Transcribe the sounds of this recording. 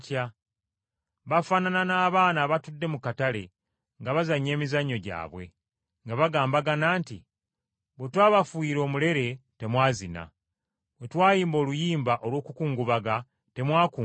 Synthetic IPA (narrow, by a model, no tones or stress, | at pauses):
ca | βafaːnananaːβaːnaβatudːe̞mukatale̞ | ŋɡaβazaɲːe̞ːmizaɲːo̞ɟa̰ːβwe̞̰ | ŋɡaβaɡaːmbaɡanaːntḭ | βwetwaːβafwiːɾo̞ːmule̞ɾe̞te̞mwaːzina̰ | we̞twaːjiːmbo̞ːlujiːmbaʔo̞lwo̞ːkukuːŋɡuβaɡa | te̞mwaːkuː